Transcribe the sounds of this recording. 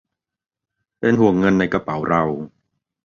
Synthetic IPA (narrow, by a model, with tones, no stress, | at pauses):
pe˧nɦu˨˩əŋːɤ˧nːa˧jka˧pa˩˦wɾa˧w